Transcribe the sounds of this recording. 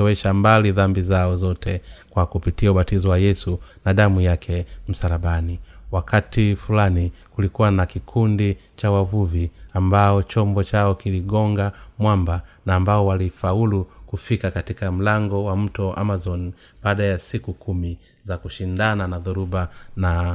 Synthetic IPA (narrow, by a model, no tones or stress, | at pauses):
ɔwɛʃambaliðambizaɔzɔtʰɛkwakupitiauɓatizɔwajɛsunaɗamujakʰɛm̩saɾaɓaniwakʰatifulanikulikuwanakikʰundi | t͡ʃawavuviambaɔt͡ʃɔmbɔt͡ʃaɔkiliɡɔŋɡamwambanaːmbaɔwalifaulukufikakatikam̩laŋɡɔwam̩tɔʔa̰mazɔn | ɓaːɗajasikukumi | zakuʃindananaðuɾubana